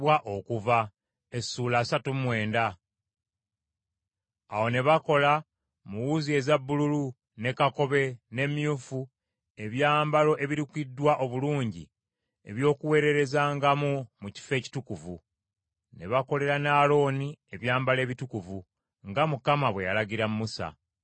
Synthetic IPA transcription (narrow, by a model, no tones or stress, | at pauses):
waʔo̞kuva | esuːlaːsatumwe̞ːnda | awo̞ne̞βako̞la | muwuzie̞zabːululu | ne̞kako̞βe̞ne̞mjuːfu | e̞βjaːmbalo̞ʔe̞βiɾikidːwaʔo̞βuluːɲɟḭ | e̞βjo̞ːkuwe̞ːɾe̞ɾe̞zaːŋɡamumuci̥fe̞ːci̥tukuvu | ne̞̰βako̞le̞ɾanaːlo̞ːnie̞βjaːmbale̞ːβitukuvu | ŋɡamukamaβwe̞jalaɟiɾamumusa̰